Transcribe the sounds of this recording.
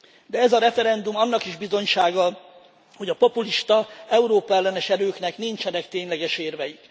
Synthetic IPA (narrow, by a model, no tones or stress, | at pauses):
d̪ɛɛzɒɾɛfɛɾɛnd̪umɒnːɒkiʒbizo̞ɲʃaːɡɒ | ho̞ɟɒpo̞puliʃt̪ɒɛuɾoːpɒɛlːɛnɛʃɛɾøːknɛknint͡ʃɛnɛkt̪eːɲlɛɡɛʃeːrvɛjik